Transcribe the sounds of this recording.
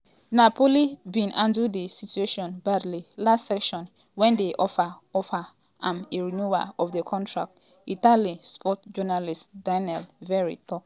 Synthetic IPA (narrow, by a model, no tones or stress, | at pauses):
napʰolibĩnʔãndudisitueʃɔ̃nbadlilastsɛkʃɔ̃n | wɛ̃ndeʔɔfaɔfa | ʔãmeɹinua̰ɔfdekʰɔ̃ntʰɹa̰k̚t | italispʰɔtd͡ʒɔnalistdanɛlvɛɹḭtɔ